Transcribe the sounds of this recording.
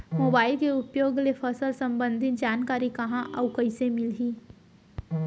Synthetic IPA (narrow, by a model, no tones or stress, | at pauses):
moːbaːɪlkeʊpjoːɡlepʰəsəlsɐ̃mbə̃nd̪ʱɪt̪̚d͡ʒaːnkaːɾikɐɦãʔɐwkɐisemɪlɦiː